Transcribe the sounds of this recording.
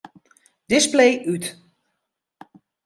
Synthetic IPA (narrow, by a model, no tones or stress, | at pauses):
d̥ɪsplejʔyt